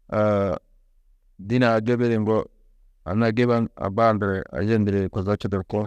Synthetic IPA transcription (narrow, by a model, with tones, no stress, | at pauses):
a˨ | di˦naː˨d͡ʒo˦be˦ɾe˨ŋɡɔ˦ | a̰˨na˨ɡe˦βa˦na̰˨ba˦˨ndɾɛ˨a̰˨d͡ʒe˦ndi˨ɾe˨kɔ˨za˦t͡ʃi˦dɛ˨ɾkɔ˦